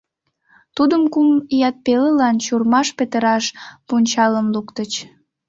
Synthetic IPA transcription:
t̪ud̪əmkumjɑt̪̚peləlɑnt͡ɕurmɑʃpet̪əɾɑʃpunʲt͡ɕɑləmlukt̪ət͡ɕ

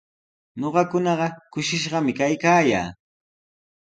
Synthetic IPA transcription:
ɲoɢɑkʊnɑɢɑkʊʃɪʃɢɑmɪkajkaːja̰ː

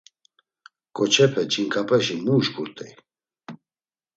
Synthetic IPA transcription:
kʼɔt͡ʃʰɛpʰɛt͡ʃʼiŋkʼapʼɛʃimuʒɡuɾt̪ʼɛ

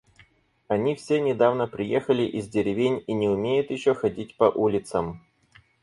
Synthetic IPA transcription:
ɐnʲifsʲenʲɪd̪avnəpɾʲɪjexəlʲɪʔɪzʲdʲɪɾʲɪvʲenʲinʲɪʊmʲejʊt̪jɪɕːoxɐdʲitʲpɐʔulʲɪt̪səm

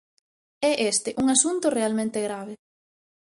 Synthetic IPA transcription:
ɛʔest̪ɪʔuŋasunt̪ʊrealmẽnt̪eɣɾaβ̞ɪ

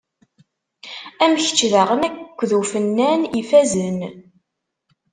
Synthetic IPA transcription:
æməçə̥t͡ʃːðaʁənækʷːðufənːænifæzən

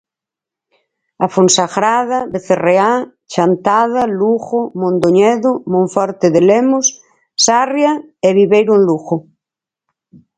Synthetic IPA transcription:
afonsaɣɾaðaβeθerea | t͡ʃant̪aðaluxomõnd̪oɲɛðomõɱfɔɾt̪eðelemos | sarjaeβiβejɾũnluxo

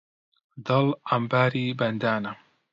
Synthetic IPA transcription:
d̪ɐlɐmbaːɾiːbɐnd̪aːnɐ

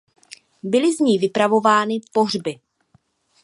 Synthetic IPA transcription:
bɪlɪzɲiːvɪpɾavo̞vaːnɪpo̞ɦr̝bɪ

